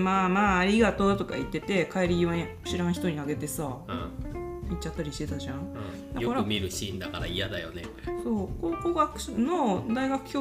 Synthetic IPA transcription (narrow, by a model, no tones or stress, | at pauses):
maːmaːɾʲiɡat̪o̞d̪t̪o̞ka̰it̪ːe̞t̪e̞kʰaeɾʲiiβaɲɯ̟ɕiɾãɰ̃çi̥t̪o̞ɲ̟iaɡe̞t̪e̞sã | it͡ɕːat̪ːaɾʲiɕi̥t̪e̞t̪aʑã | d̪aokaɾaɯmʲiɾɯ̟ɕĩnd̪akaɾa̰ijad̪ajo̞̰ne | so̞ːkokoɡakɯ̟̥ɕɯno̞d̪aiɡakɯ̟̥kʲoː